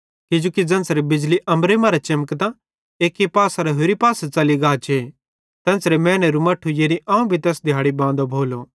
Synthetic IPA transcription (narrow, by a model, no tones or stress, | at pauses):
kɪd͡ʒoːkid͡zɐ̃nsɾebɪd͡ʒliʔɐmɾemãɾat͡ʃɪməkt̪ã | eːkːipaːsaɾɛɦoːɾipaːsat͡sɐliɡaːt͡ʃʰe | t̪ɐ̃nsɾemɛ̃ːnɛɾumɐʈʰːujeːniʔaːũbʱit̪ɛːsd̪ʱɪjaːɽibãːnd̪obʱoːlo